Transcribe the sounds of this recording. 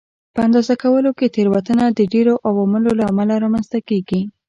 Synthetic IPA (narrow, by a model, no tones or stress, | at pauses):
pəand̪ɑzakawəloket̪eɾwat̪ənad̪əɖeɾoʔawaməlolaamalaɾɑmanzt̪akeɡi